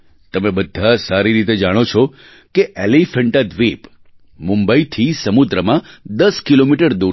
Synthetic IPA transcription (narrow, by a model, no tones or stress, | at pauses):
t̪əmebəd̪ʱːasaɾiɾit̪̬ed͡ʒaɽ̃ot͡ʃʰɔ | keʔelifəɳʈad̪ʋip | mũmbəit̪ʰisəmud̪ɾəmãd̪əskilomiʈəɾd̪u